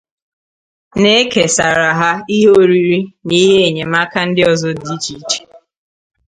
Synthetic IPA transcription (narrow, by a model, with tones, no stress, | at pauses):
ne˦e˦ke˨sa˨ɾa˨ɦa˦i˦ɦo˦ɾi˦ɾi˦ni˦ɦe˦e˨ɲe˨ma˦ka˦n̩˦dɪ˦ɔ˨zɔ˦di˦t͡ʃi˨˦t͡ʃe̥˨